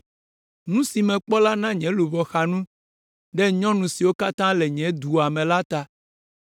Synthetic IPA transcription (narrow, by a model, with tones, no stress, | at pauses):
nũ˦si˨mɛ̃˨k͡pɔ˦la˦nã˦ɲɛ̃˦lu˨vɔ˨xa˨nũ˦ | ɖɛ˦ɲɔ̃˦nũ˨si˨wo˦ka˦t̪ã˦lɛ˨ɲɛ̃˨˦d̪u˨a˨mɛ̃˨la˦t̪a˦